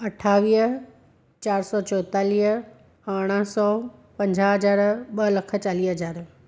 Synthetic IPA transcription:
ɐʈʰaːʋiːɦ | t͡ɕaːɾsɔːt͡ɕɔːt̪aːliːɦ | ɐɽ̃əsɔːpɐ̃ɲd͡ʑʱaɦɐd͡ʑaːɾɓɐlɐkʰə̆t͡ɕaːliːɦɐd͡ʑaːɾ

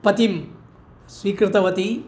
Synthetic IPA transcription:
pɐt̪im | sʋiːkɾɨt̪ɐʋɐt̪i

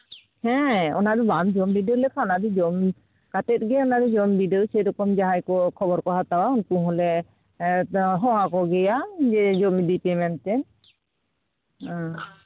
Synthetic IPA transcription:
hɛ̃ɔ̰nadubamd͡ʒɔmbidewlɛkʰaɔnadid͡ʒɔm | katɛt̪̚ɡɛjɔnadɛd͡ʒɔmbiɖesɛjɾɔkɔmd͡ʒaɦajkɔkʰɔbɔɾkɔɦat̪awaunkũɦɔlɛ | ɦɔɦakɔɡɛjad͡ʒɛd͡ʒɔmidipɛmɛnt̪ɛn

